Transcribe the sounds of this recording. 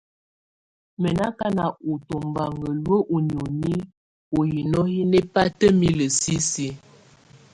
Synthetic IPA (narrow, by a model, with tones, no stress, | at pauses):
mɛ˨na˦ka˦na˨o˨to˨mba˨ŋɡə˨lwə˦ʔo˨n˨o˨ni˦ | o˨ji˨nɔ˦hi˦ne˦pa˦tə˦mi˦lə˨si˦si˦